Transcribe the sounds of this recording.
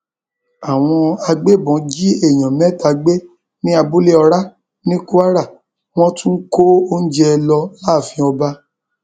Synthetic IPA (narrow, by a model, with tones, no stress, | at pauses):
a˨w̃ɔ̃˧a˧ɡ͡be˦˨bɔ̃˨˦d͡ʒi˦e˦˨j̃ɔ̃˨mɛ̃˨˦ta˨˧ɡ͡be˦ | nĩ˦a˧bu˦le˦ɔ˧ɾa˦ | nĩ˦ku˦a˦ɾa˦˨ | w̃ɔ̃˦tũ˦ko˦o˦n̩˦d͡ʒɛ˦˧lɔ˧la˦˨fĩ˧ɔ˧ba˧˦